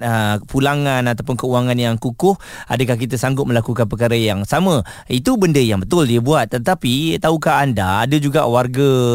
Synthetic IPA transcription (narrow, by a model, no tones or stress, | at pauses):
əpulaŋãnat̪awpʊnkəuaŋãnjaŋkukʊh | a̰dəkahkit̪əsaŋɡʊt̪̚məlakukanpəkaɾəjaŋsamə̃ | it̪ubəndəjaŋbət̪ʊldiəbuat̪̚ːət̪apit̪aukaɦːnda̰ːdəd͡ʒuɡaʔwarɡa